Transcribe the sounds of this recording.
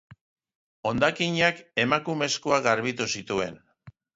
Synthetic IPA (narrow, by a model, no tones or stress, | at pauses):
o̞nd̪akiɲake̞makume̞skoaɣaɾβit̪usit̪ue̞̰n